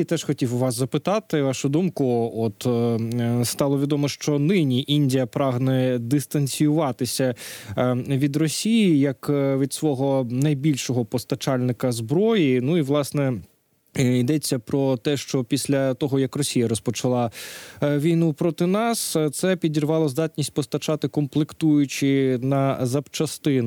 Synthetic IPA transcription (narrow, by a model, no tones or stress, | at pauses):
it̪ɛʃxɔtʲiwʋɑszɐpɪt̪ɑt̪ɪʋɑʃʊd̪umkʊɔt̪ | st̪ɑlˠɔʋʲid̪ɔmɔʃt͡ʃɔnɪnʲiʔinʲdʲijɐpɾɑɦnɛd̪ɪst̪ɐnʲsʲijʊʋɑt̪ɪsʲɐ | ʋʲid̪rɔsʲijijɐkʋʲid̪sʋɔɦɔnɐjbʲilʲʃɔɦɔpɔst̪ɐt͡ʃɑlʲnɪkɐzbɾɔjinuiʋlˠɑsnɛ | id̪ɛt͡sʲːɐpɾɔt̪ɛʃt͡ʃɔpʲisʲlʲɐt̪ɔɦɔjɐkrɔsʲijɐɾɔspɔt͡ʃɐlˠɑ | ʋʲijnupɾɔt̪ɪnɑst̪sɛpʲidʲirʋɑlˠɔzd̪ɑtʲnʲisʲt̚ʲpɔst̪ɐt͡ʃɑt̪ɪkɔmplˠɪkt̪ujʊt͡ʃɪnɐzɐpt͡ʃɐst̪ɪn